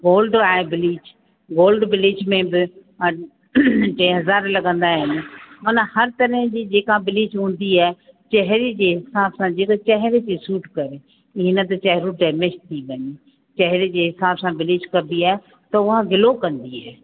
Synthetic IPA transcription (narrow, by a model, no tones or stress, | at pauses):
ɡoːlɖaːebɪlɪːd͡ʑ | ɡoːlɖʋɪlɪd͡ʑmẽbɪ | ʈẽːɦɐzaːɾlɐɡə̃nd̪aɦɪnɪ̆mɐnəhɐɾt̪ɐɾəɦd͡ʑiːd͡ʑeːkãbɪlɪd͡ʑɦũːn̆d̪iaːɦɪt͡ɕɐɦɪɾed͡ʑeːɦɪsaːbsãd͡ʑeːkat͡ɕɐɦɪɾet̪isuːʈkɐɾe | ɪnət̪̬ɐt͡ɕɐɦɾũɖɛːmeʃt̪ʰiʋɐɲi | t͡ɕɐɦɪɾed͡ʑeːɦɪsaːbsãbɪlɪd͡ʑkɐ̃nd̪iaːɦɪ | t̪ɐʊɦaɡɪlokɐ̃nd̪iaːɦ